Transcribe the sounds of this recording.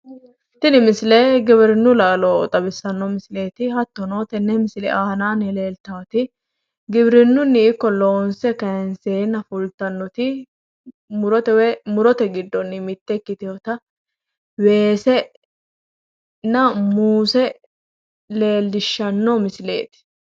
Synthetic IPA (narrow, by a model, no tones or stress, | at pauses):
t̪ɪnɪmɪsle̞ːɡɪbɾɪnːʊlaːlɔt̪ʼɐbɪsːɐnːɔmɪsleːt̪ɪhɐt̪ːɔnoːt̪ɛnːɛmɪsɪlɛ̰ʔaːhɐnaːnɪle̞ːlt̪aːt̪ɪ | ɡɪbɾɪnːʊnːɪɪkːɔloːnsɛkɐjɛnseːnɐfʊlt̪ɐnːɔt̪ɪ | mʊɾɔt̪ɛwɛmʊɾɔt̪ɛɡɪd̪ːɔnːɪmɪt̪ːɛkːɪt̪ɪjot̪ɐ | we̞ːsɛ | nɐmuːsɛ | le̞ːlːɪʃːɐnːɔmɪsle̞̰ːt̪ɪ̥